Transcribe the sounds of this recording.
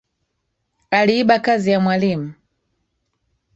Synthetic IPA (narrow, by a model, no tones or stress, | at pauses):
aliːɓakazijamwalimu